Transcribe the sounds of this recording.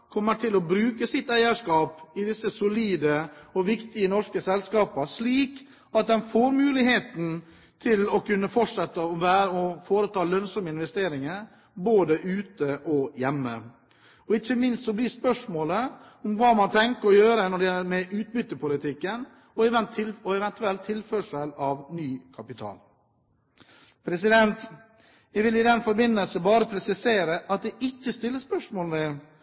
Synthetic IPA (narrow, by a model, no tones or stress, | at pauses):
kʰɔmːəʈʰɪlɔbɾʉːkəsɪt̪ːæɪəʂkɑːpɪd̪ɪsːəsʊliːd̪əɔʋɪkt̪ɪənɔʂkəsɛlskɑːpəʂliːk | ɑt̪̚d̪ɛnfoːɾmʉːlɪheːt̪n̩ | t̪ʰɪlɔkʉnːəfɔʈʂɛt̪ːəɔʋæːɾəɔfoːɾət̪ʰɑːlœnsɔməɪnʋɛst̪eːɾɪŋəɾ | boːd̪əʔʉːt̪əʔɔjɛmːə̰ | ɔɪçəmɪnst̪sɔbliːspœʂmoːlə | ʊmʋɑːmɑnt̪ʰɛŋkəɾɔjøːɾənɔɖɛjɛlːəɾmɛʔʉːt̪̚bʏt̪ːəpʊlɪt̪ʰɪkːən | ɔɛʋɛnt̪ɪlɔɛʋɛnt̪ʉɛlt̪ʰːɪlføːʂəlɑʋnyːkʰɑpɪt̪ʰɑ̰ːl | pʰɾɛsɪd̪ɛnt̪ | jæʋɪlɪd̪ɛnfɔɾbɪnːəlsəbɑːɾəpʰɾɛsɪseːɾəʔɑt̪̚d̪ɛʔɪçːəst̪ɪlːəspœʂmoːlmɛ